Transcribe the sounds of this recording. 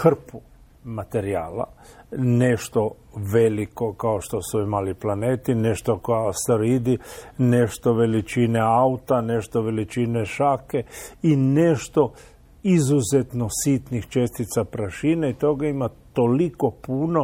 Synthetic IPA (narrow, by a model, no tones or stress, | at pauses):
xr̩pu | mat̪e̞ɾia̰ːla̰ne̞ʃt̪o̞ | ʋe̞liko̞kaoʃt̪o̞suimaliplane̞ːt̪ine̞ʃt̪okoast̪ɾid̪ine̞ʃt̪o̞ʋe̞lit͡ʃineaut̪ane̞ʃt̪oʋe̞lit͡ʃineʃake̞ineʃt̪o̞ | izuzet̪nosit̪nixt͡ʃe̞st̪it̪sapɾaʃinait̪o̞ɡaimat̪oliko̞puno̞